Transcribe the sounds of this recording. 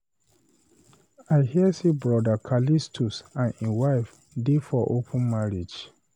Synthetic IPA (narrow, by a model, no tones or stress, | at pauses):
aɪhisibɹɔdakʰalistʰusãniwaɪf | defɔʔopʰə̃nmaɹid͡ʒ